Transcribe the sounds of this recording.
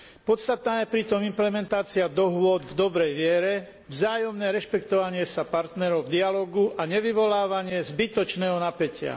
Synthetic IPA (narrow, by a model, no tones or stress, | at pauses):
pɔt̪st̪at̪naːjɛpɾit̪ɔmimplɛmɛnt̪aːt͡siad̪ɔɦʋʊɔd̪vd̪ɔbɾɛjʋɪɛɾɛ | vzaːjɔmnɛːɾɛʃpɛkt̪ɔʋaɲɪɛsapaɾt̪nɛɾɔʊvd̪ialɔːɡuʔaɲɛʋiʋɔlaːʋaɲɪɛzbit̪ɔt͡ʃnɛːɦɔnapɛcɪa̰